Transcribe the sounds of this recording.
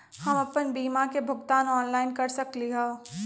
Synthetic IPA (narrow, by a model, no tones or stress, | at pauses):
hɐmɐpənbiːmakebʱʊɡt̪aːnɔːnlaːɪnkɐɾsɐkliɦo